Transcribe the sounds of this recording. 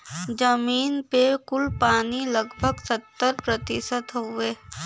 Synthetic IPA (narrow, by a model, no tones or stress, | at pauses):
d͡ʒəmiːnpekʊlpaːnilɐɡbʱəɡsət̪ːəɾpɾət̪ɪsət̪ɦoeː